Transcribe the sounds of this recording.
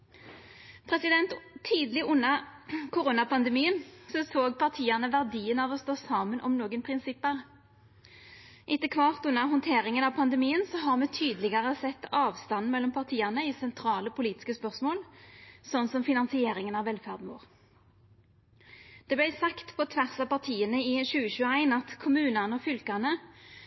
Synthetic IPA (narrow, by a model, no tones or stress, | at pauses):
pʰʁɛsɪd̪ɛnt̪t̪ʰːiːd̪əlɪʔʊnːəkʊʁuːnɑpʰɑnd̪əmiːənsɔsoːɡpʰɑʁt̪ʰiːɑnəʋæʁd̪iːənɑʋɔst̪oːsɑːmənʔɔmnoːɡənpʰʁɪnsɪpːəʁ | ʔɪt̪ːəkʰʋɑʁt̪ʉnːəʁɦɔnt̪ʰeːʁɪŋənɑʋpʰɑnd̪əmiːənsɔɦɑʁmɛt̪ʰyːd̪lɪɡəʁəsɛt̪ːɑːʋst̪ɑnːmɛlːɔmpʰɑʁt̪ʰiːɑnəɪsɛnt̪ʰɾɑːləpʰʊliːt̪ɪ̥skəspœʁsmoːlsɔnːsɔmfɪnɑnsɪeːɾɪŋənɑʋɛlfæʁd̪nmo̰ːʁ | d̪̥ɛblæɪsɑkt̪pʰɔt̪ʰʋæʁsɑpɑʁt̪ʰiːənəɪʃʉːəçʉːəæɪnɑt̪kʰʊmʉːnənəɔfʏlkɑnə